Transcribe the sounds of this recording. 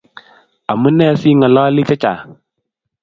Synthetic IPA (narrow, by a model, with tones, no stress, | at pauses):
a˨mu˦nɛ˦˨si˦ŋɔ˨lɔ˦li˦t͡ʃɛ˦t͡ʃa̰˨